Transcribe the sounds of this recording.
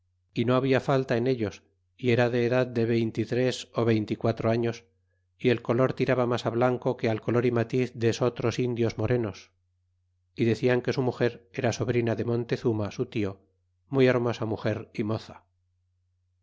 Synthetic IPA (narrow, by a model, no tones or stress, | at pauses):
ino̞aβiafalt̪ae̞ne̞ʎo̞s | ie̞ɾaðe̞ːðaðd̪e̞βe̞jnt̪it̪ɾe̞so̞βe̞jnt̪ikwat̪ɾo̞aɲo̞s | ie̞lko̞lo̞ɾt̪iɾaβamasaβlaŋko̞kealko̞lo̞ɾimat̪iθðe̞so̞t̪ɾo̞sind̪jo̞zmo̞ɾe̞no̞s | iðe̞θiaŋke̞sumuxe̞ɾe̞ɾaso̞β̞ɾinaðe̞mõ̞nt̪e̞θumasut̪io̞ | mujeɾmo̞samuxe̞ɾimo̞θḁ